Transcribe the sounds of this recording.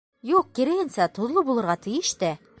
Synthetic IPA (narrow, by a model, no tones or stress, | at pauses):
juq̚kiɾɘ̆ɡɘ̆nsæt̪ŏðlˠɤbulˠɤ̆ɾʁɑt̪ɘ̆jɘ̆ʃt̪æ